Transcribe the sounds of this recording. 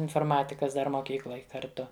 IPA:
ɪnfoːrˈmɑːtʲɪkɐs ˈdɐr moːˈkʲiːklˠoːj kɐrʲˈtʊ

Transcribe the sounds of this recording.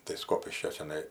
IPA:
tɐɪ ˈskoːpʲɪʃʲkʲoː t͡ʃʲɛˈnɐɪ

